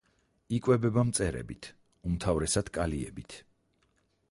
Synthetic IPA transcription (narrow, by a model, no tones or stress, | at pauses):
ikʼwɛbɛbamt̪sʼɛɾɛ̰bit̪ʰ | umt̪ʰavɾɛsad̪̥kʼaliɛbit̪ʰ